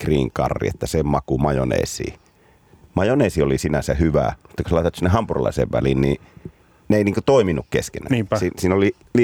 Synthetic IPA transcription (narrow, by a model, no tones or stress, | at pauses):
kriːŋkɑ̰rːḭet̪ːæsemɑkumɑjonḛːsḭː | mɑjoneːˑsiolisinæsæhyʋæ̰mut̪ːɑkoselɑˑit̪et̪sinːehɑmpurolɑ̰ˑisḛʋʋælinni | neˑiniːŋkot̪oˑiminukkḛskḛnæ̰nːsisiːnoli | li